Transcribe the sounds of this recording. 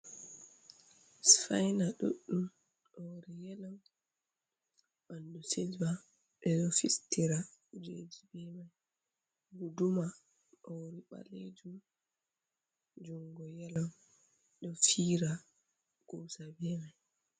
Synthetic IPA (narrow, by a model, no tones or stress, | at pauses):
sfajnaɗṵɗːum | ɗowɾijɛlan | ɓanduselba | ɓɛɗɔfistiɾad͡ʒed͡ʒibɛmaj | ɡuduma | ɗɔwɾiɓa̰led͡ʒum | d͡ʒuŋɡɔjɛlan | ɗɔfiːɾa | ɡ̥ɔsabɛmaj